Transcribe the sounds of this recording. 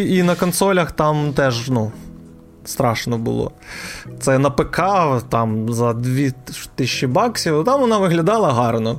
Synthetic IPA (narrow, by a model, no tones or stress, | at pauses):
inɐkɔnsɔlʲɐxt̪ɑmt̪ɛʒnu | st̪ɾɑʃnɔbʊ̰lˠɔ̰t̪sɛnɐpekʰɑt̪ɑmzɐd̪ʋʲit̪ɪʃʲːibɑksʲiwt̪ɑmʋɔnɑʋɪɦlʲɐd̪ɑlˠɐɦɑrnɔ